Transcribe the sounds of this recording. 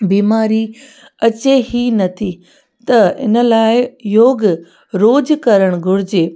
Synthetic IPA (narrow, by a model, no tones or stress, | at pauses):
biːmaːɾi | ɐt͡ɕeɦinɐt̪ʰi | t̪ɐɪ̰nə̆laːɪjoːɡ | ɾoːd͡ʑkɐɾəɽ̃ɡʱʊɽɪd͡ʑeː